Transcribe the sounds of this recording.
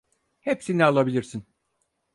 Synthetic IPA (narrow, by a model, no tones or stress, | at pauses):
hepsinɛalˠabilʲiɾsin